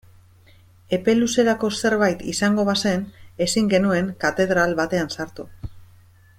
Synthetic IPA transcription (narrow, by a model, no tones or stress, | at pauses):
e̞pe̞luse̞ɾako̞se̞ɾβajt̪isaŋɡo̞βase̞ne̞siŋɡe̞nue̞ŋkat̪e̞ðɾalβat̪e̞ansaɾt̪u